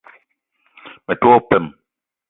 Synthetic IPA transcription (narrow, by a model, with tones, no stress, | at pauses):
mɛ˨twɔ˦pɛ˦˨m